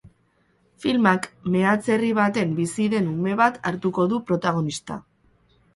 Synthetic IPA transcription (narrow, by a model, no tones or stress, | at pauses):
filmakme̞at͡se̞riβ̞at̪e̞mbisiðe̞nume̞βat̪aɾt̪uko̞ðupɾo̞t̪aɣ̞o̞nist̪a̰